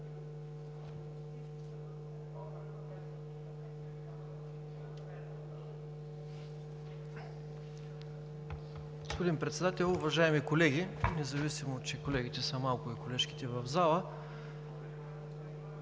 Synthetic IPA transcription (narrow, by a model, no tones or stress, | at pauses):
ɡospod̪inpɾɛt̪sɛd̪at̪ɛlˠʊvɐʒaɛmikolɛɡinɛzɐvisimoːt͡ʃɛkolɛɡ̟it̪ɛsəmalˠkʊikolɛʃki̥t̪ɛvɐvzalˠə